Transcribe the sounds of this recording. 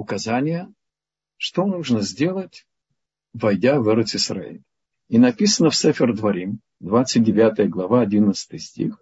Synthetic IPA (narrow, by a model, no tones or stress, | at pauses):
ʊkɐzanʲɪjə | ʂt̪onuʐnəzʲdʲe̞lˠətʲ | vɐjdʲavɛɾət̪sɨsra̰ḛlʲ | inɐpʲisənəfsɛfʲɪrd̪vɐɾʲim | d̪vat̪sɨt̚ʲdʲɪvʲat̪əjəɡlˠɐvaɐdʲinət̪sə̥t̪ɨjsʲtʲḭx